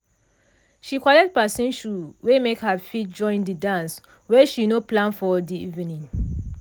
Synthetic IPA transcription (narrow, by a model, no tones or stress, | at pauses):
ʃikwɔlɛk̚t̚pasĩnʃuwemekhafit̚d͡ʒɔ̃ɪ̃ndidãns | wɛʃinoplãnfɔdiivĩnĩŋ